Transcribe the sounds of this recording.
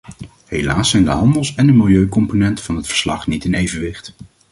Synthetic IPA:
ɦelaːsɛjndə̰ɦɑndəlˠsɛndəmɪlˠjøɥkɔmponɛntvɑnɦətfə̥ɹslɑχnitɪnejvənʋɪχt

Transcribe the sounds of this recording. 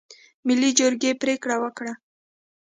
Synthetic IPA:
mɪlːid͡ʒoɾɡepɾekɽawəkɽa

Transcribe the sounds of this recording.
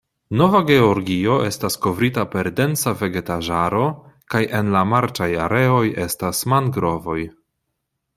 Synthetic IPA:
no̞vaɡe̞o̞ɾɡio̞ʔe̞stasko̞vɾitape̞ɾde̞nt͡save̞ɡe̞taʒaɾo̞kajʔe̞nlamaɾt͡ʃaja̰ɾe̞o̞je̞stasmanɡɾo̞vo̞j

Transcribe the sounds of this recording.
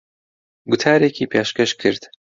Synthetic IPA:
ɡʊt̪ʰaːɾeːkʰiːpʰeːʃkɐʃkʰɨɾd̪̥

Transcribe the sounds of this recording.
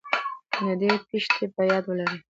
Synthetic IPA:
nad̪epiʃt̪ʰepajɑd̪wəlaɾi

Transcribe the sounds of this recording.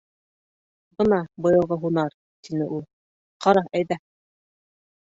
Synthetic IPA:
bɤnɑbɤ̆jɤ̆lˠʁɤɦunɑɾ | t̪inɘʔulˠ | qʰɑɾɑæjðæ

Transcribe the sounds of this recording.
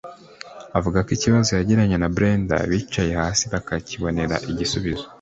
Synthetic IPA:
avuɡakiciβazo̞jaɟiɾaɲenabɾeːnda̰βiːt͡ʃaje̞haːsiβakaciβo̞ne̞ɾa̰ʔiɟisuβizo̥

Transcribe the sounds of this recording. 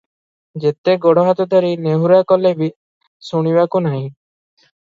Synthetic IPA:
d͡ʒet̪eɡɔɽɔɦat̪ɔd̪ʱɔɾineɦuɾakɔlebi | suɽ̃ibakunaɦĩ

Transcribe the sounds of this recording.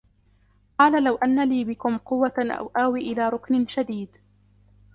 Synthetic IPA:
qɑːlalawʔanːaliːbɪkʊmqʊwːaʔa̰wʔaːwiʔɪlaːɾˤʊknɪʃad̪iːd̪

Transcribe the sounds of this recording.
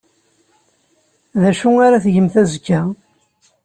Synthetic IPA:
ðæʃuaɾaθəʝəmθæzəkːæ

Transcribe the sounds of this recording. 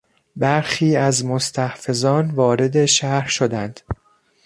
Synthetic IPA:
bæɾxiːæzmost̪ʰæhfe̞zɒːnvɒːɾe̞d̪e̞ʃæhɾʃo̞d̪ænd̪̥

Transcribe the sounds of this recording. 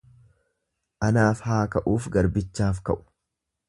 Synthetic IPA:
ʔɐnaːfhaːkɐʔuːfɡɐɾbɪt͡ʃːaːfkɐ̰ʔʊ̥

